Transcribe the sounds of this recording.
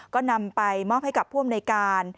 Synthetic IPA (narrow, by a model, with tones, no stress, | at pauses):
kɔː˥˩na˧mpa˧jmɔː˥˩p̚ha˥˩jka˨˩p̚ʰːu˥˩əmna˧jkaː˧n